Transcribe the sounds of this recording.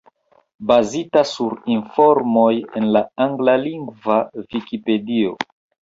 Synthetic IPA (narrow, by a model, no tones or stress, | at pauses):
bazitasuɾinfo̞ɾmo̞je̞nlaaŋɡlaliŋɡvavikipe̞dio̰